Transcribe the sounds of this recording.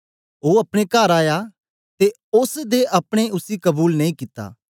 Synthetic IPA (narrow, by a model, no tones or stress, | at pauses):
oɐpɽ̃ekaːɾaːja | t̪e | ʊsd̪eʔɐpɽ̃eʊsikɐbuːlnɐĩkɪt̪ːa̰ː